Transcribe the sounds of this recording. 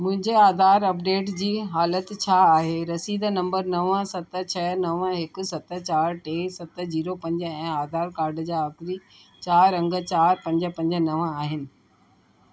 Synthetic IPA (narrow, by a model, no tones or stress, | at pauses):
mʊ̃ɦɪ̃ɲd͡ʑeaːd̪ʱaːɾɐpɖeːʈd͡ʑiːɦaːlət̪t͡ɕʰaːɦeɾɐsiːd̪nɐ̃mbəɾnɐʋəsɐt̪ə̆t͡ɕʰɐnɐʋəɦɪkʊ̆sɐt̪t͡ɕaːɾʈeːsɐt̪̆d͡ʑiːɾopɐ̃ɲd͡ʑɛ̃ːaːd̪ʱaːɾkaːɾɖd͡ʑaːɐkɾi | t͡ɕaːɾːɐ̃ŋɡt͡ɕaːɾpɐ̃ɲd͡ʑəpɐ̃ɲd͡ʑənɐʋəaːɦɪnɪ̆